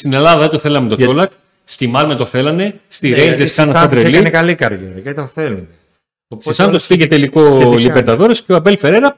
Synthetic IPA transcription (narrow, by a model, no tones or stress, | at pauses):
st̪ine̞lɐðɐðet̪oθe̞lɐmet̪oolɐk | st̪imɐlmet̪o̞θe̞lɐne̞st̪iɾenzeskɐnɐsɐd̪ɾelinekɐlikɐɾʝeɾɐjɐit̪oθelune | opsesɐnt̪ospiʝet̪eliko̞libeɾt̪ɐðo̞ɾesceoɐpe̞lfe̞ɾe̞ɾɐ